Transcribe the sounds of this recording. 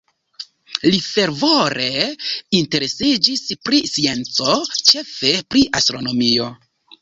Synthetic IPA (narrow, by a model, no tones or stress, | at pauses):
life̞ɾvoɾe̞inte̞ɾe̞sid͡ʒispɾisie̞nt͡so̞t͡ʃe̞fe̞pɾiʔastɾo̞no̞mio̞